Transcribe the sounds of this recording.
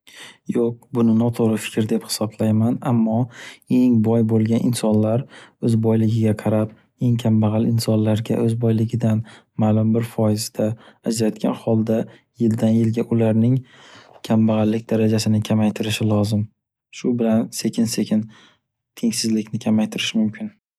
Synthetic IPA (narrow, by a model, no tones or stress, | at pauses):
joq̚bʊnɪnɒt̪ʰoɾɪfɪ̥kʲɾd̪e̞phɪ̥sɒblajmanamːɒe̞ŋbɒjbolˠɡʲanʔɪ̰nsɒnlaɾɵzbɒjlɪɡʲɪɡʲaqʰɑɾap̚ | e̞ŋkʲʰambaʁɑlɪnsɒnlaɾɡʲa̰ʔɵzbɒjlɪɡʲɪd̪an | malʊmbɪɾfɒjɪzd̪aːd͡ʒɾat̪̚kʲʰa̰nhɒlˠd̪a | jɪld̪anjɪlɡʲaʔʊlaɾnɪŋ | kʲʰambaʁɑlːɪkʲd̪aɾad͡ʒasɪnɪkʲʰamajt̪ʰɪɾɪʃɪlˠɒzɪm | ʃʊbɪlanse̞kʲʰɪnse̞kʲʰɪn | t̪ʰe̞ŋsɪzlɪkʲnɪkʲʰamajt̪ʰɪɾɪʃɪmʊmkʲʰɪn